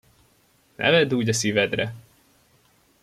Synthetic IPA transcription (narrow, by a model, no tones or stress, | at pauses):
nʔɛ̰vɛd̪uːɟɒsivɛd̪rɛ